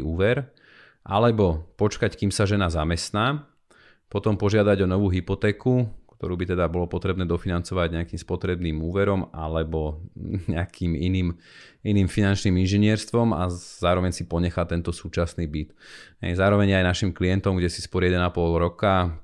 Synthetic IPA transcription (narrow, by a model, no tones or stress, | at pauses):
uːʋɛɾ | ʔa̰lɛbɔpɔt͡ʃkackiːmsaʒɛnazamɛst̪naː | pɔt̪ɔmpɔʒɪad̪aɟɔnɔʋuːɦipɔt̪ɛːkukt̪ɔɾuːbit̪ɛd̪abɔlɔpɔt̪ɾɛbnɛːd̪ɔfinant͡sɔʋaɟɲɛakiːmspɔt̪ɾɛbniːmuːʋɛɾɔma̰lɛbɔɲɛakʰiːmḭniːm | iniːmfinant͡ʃniːminʒɛɲɪɛɾst̪ʋɔma̰z̥aːɾɔʋɛɲsipɔɲɛxat̪ɛnt̪ɔsuːt͡ʃasniːbit̪ɦɛ̰jzaːɾɔʋɛɲajnaʃimklijɛnt̪ɔmɡɟɛsispɔɾɪjɛd̪ɛnapɔlɾɔka